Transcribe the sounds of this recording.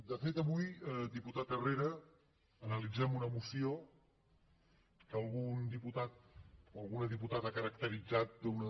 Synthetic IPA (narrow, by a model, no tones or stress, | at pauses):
d̪əfet̪əβujəd̪iput̪at̪əreɾəː | nəlid͡zɛmunəmusio | kəlˠɣund̪iput̪at̪̚oəlˠɣunəðiput̪at̪akəɾəkt̪əɾid͡zat̪̚d̪unə